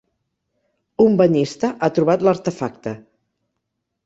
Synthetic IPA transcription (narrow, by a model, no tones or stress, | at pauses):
umbəɲist̪əʔat̪ɾuβat̪ləɾt̪əfak̚t̪ə